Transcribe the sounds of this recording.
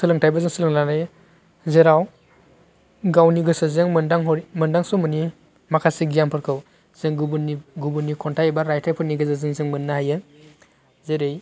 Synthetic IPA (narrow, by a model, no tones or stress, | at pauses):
sɯlɯŋtʰajbazɯŋsɯlɯŋlanaj | zeɾaw | ɡawniɡɯsɯzɯŋmɯndaŋɦɔmɯndaŋsumɯni | makʰasiɡijampʰɯɾkʰɯw | z̥ɯŋɡubuniɡubunːikʰɔntʰajebaɾajtʰajpʰɯɾniɡɯzɯzɯŋzɯŋmɯnːahajɯ | zeɾej